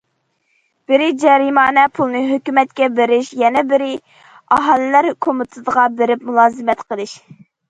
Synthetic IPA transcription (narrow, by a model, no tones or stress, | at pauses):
b̥ɪɾɪd͡ʒɛɾimɑːnɛpʰulˠnɨɦøkʲymɛt̪̚kʲɛbeɾɪʃjɛnɛbɪɾɪ | ɑɦɑlˠɪlæɾkʰomɨt̪ʰɨd̪əʁɑbeɾɪpmulˠɑːzɨmɛt̪qʰəlˠɨʃ